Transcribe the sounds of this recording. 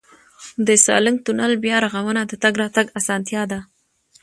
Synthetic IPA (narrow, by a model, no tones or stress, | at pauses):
d̪əsɑ̰ləŋ̚t̪unalbjɑɾaɣawənad̪ət̪aɡɾɑt̪aɡasɑnt̪jɑd̪a